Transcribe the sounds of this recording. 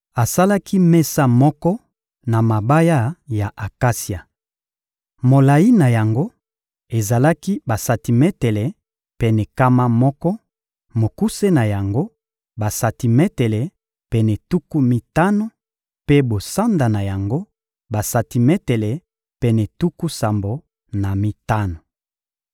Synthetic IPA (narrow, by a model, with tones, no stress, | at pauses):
a˨sa˦la˦kʰi˦mɛ˦sa˦mɔ˦kɔ˦ | na˨ma˨ba˦ja˦ja˨ʔa˨ka˦si˨a˨ | mo˨la˨ji˦na˨ja˨ŋɡo˦ | e˨za˨la˦ki˦ba˨sa˨ti˨mɛ˦tɛ˨lɛ˨ | pɛ˨nɛ˨ka˦ma˦mɔ˦kɔ˦ | mo˨ku˦se˦na˨ja˨ŋɡo˦ | ba˨sa˨ti˨mɛ˦tɛ˨lɛ˨ | pɛ˨nɛ˨tu˦ku˦mi˨ta˦no˦ | pe˦bo˨sa˦nda˨na˨ja˨ŋɡo˦ | ba˨sa˨ti˨mɛ˦tɛ˨lɛ˨ | pɛ˨nɛ˨tu˦ku˦sa˨mbo˨ | na˨mi˦ta˦no˨